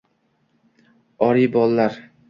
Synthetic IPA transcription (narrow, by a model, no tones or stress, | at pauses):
ɒɾijbɒlˠːaɾ